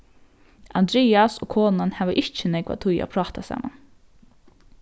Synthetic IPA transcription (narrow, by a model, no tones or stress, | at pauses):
and̪ɾeːasoːkʰoːnanhæːʋəʔɪht͡ʃːənɛkʋa̰t̪ʰʊja̰pʰɾɑːt̪asa̰ːma̰n